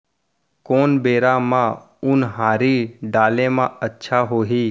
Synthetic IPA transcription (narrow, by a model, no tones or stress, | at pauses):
koːnbeːɾamã | ʊnɦaːɾiɖaːlẽmãətːʃʰaɦoːɦiː